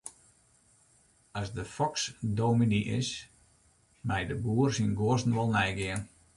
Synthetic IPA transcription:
asdəfɔksdowminiʔɪ̰s | mɛjdəbuːərsinɡoəsn̩ʋɔlˠnɛjɡɪən

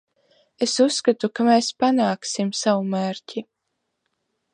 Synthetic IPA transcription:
esusːkat̪ukameːspanaːksimsawumæːɾcʲi

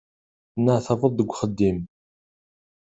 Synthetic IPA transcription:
θənːəʕθɑvəðˤðəɡʷχəd̪ːim

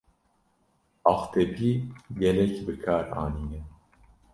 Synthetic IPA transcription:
ɑxt̪ʰɛbiːɡɛlɛcbɨkʰaːɾa̰ːniɲɛ

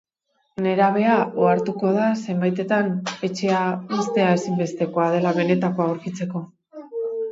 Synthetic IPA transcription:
ne̞ɾaβ̞e̞ao̞aɾt̪uko̞ðase̞mbajt̪e̞t̪ane̞t͡ʃe̞aβest̪e̞ae̞simbe̞st̪e̞ko̞að̞e̞laβe̞ne̞t̪ako̞aoɾkit͡se̞ko̞

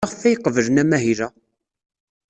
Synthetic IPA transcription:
ʁfæjqːəvəlnæmæɦiɾæ

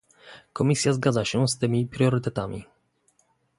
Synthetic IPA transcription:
kɔmʲisʲjazɡad̪zaɕɛst̪ɘmʲipɾʲjɔɾɘt̪ɛt̪amʲḭ

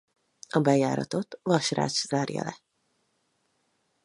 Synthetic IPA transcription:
ɒbɛjaːɾɒt̪o̞t̪vɒʃra̰ːt͡ʃz̥aːrjɒ̰lɛ

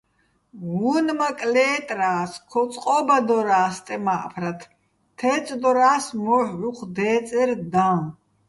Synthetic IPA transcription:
ɣunmakʼlɛːt̪ʼɾaːskʰɔt͡sʼqʼɔːbad̪ɔɾaːst̪ʼɛmaʔpʰɾat̪ʰ | t̪ʰɛːt͡sʼd̪ɔɾaːsmɔhuqʰd̪ɛːt͡sʼɛɾd̪ã

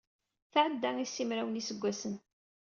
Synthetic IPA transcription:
θʕəd̪ːæŋisːimɾæwənisəɡʷːæsən

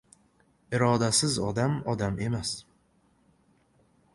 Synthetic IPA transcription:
ɪɾɒːd̪asɪzɒd̪amɒd̪ame̞mas

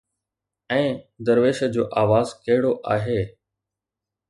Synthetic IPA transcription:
ɛ̃ːd̪əɾʋeːʃəd͡ʑoːʔaːʋaːzkɐɦɪɽoʔaːɦeː

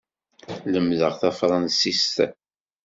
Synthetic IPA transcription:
ləmðəʁθæfɾˤɑnsist̪

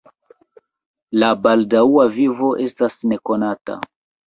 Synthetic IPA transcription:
labaldauavivo̞ʔe̞stasne̞ko̞nata̰

